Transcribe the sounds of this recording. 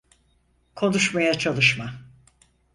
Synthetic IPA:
kʰo̞nuʃmajat͡ʃʰalˠɯʃma

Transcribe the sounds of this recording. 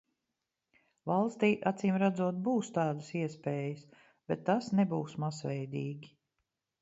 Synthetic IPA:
valˠst̪iːʔat̪siːmɾad̪zuɔt̪̚buːst̪ɑːd̪əsiɛspɛːjəs | b̥ɛt̪ːasnɛbuːsmazvɛjd̪iːɡʲi

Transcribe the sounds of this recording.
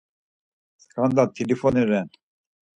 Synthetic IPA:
skʰand̪at̪ʰilifɔniɾɛn

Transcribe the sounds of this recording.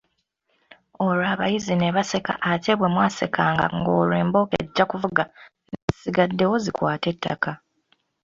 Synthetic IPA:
o̞ɾaːβajizineβase̞ka̰ʔaceβwe̞mwaːse̞kʰaːŋɡa̰ŋɡo̰ːleːmbo̞kḛɟːakuvuɡa | nezisiɡadːe̞wo̞zikwaːte̞tʰːa̰ka

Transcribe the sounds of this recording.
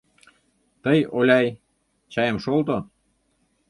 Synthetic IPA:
t̪əjolʲɑj | t͡ɕɑjə̆mʃolˠt̪o

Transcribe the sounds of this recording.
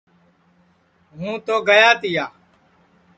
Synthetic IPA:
ɦũːt̪oːɡəjaːt̪ɪjaː

